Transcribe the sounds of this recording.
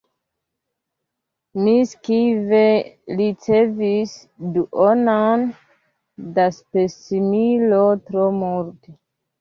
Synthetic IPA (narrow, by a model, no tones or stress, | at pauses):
miskivelit͡sevis | duʔonon | daspesimilotɾomuɾte